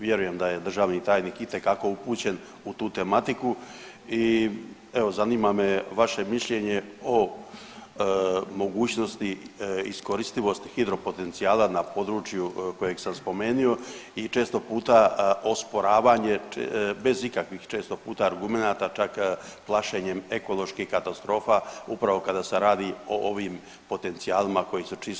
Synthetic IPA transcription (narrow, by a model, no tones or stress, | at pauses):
ʋje̞ɾuje̞md̪aje̞d̪r̩ʒaːʋnit̪aːjniːkit̪e̞kako̞upuːt͡ɕe̞n | ut̪uːt̪e̞mat̪iku | i | e̞ʋo̞zaniːmame̞ʋaʃe̞miʃʎe̞ɲe̞o̞ | mo̞ɡuːt͡ɕno̞st̪iisko̞ɾist̪iʋo̞st̪xid̪ɾo̞po̞t̪e̞nt̪sijaːlanapo̞d̪ɾuːt͡ʃjuko̞je̞ɡsamspo̞me̞ːnio̞it͡ʃe̞ːst̪o̞puːt̪ao̞spo̞ɾaːʋaɲe̞be̞zikakʋixt͡ʃe̞ːst̪o̞puːt̪aːɾɡume̞naːt̪at͡ʃakplˠaʃeɲe̞me̞ko̞lo̞ʃkixkat̪ast̪ɾo̞ːfaupɾaʋo̞kad̪ase̞ɾaːd̪io̞ʔo̞ʋiːm | po̞t̪e̞nt̪sijaːlimako̞jisut͡ʃis